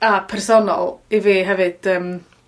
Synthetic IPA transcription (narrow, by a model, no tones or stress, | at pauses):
apʰɛrsɔnɔ̰lˠiviːɦɛvɨd̥əːm